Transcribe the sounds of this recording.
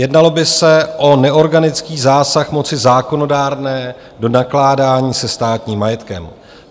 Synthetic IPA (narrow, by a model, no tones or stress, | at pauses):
jɛdnalo̞bɪsɛʔo̞nɛʔo̞ɾɡanɪt͡skiːzaːsaxmo̞t͡sɪzaːko̞no̞daːɾnɛː | do̞naklaːdaːɲiːsɛst̪aːt̪ɲiːmːajɛt̪kɛm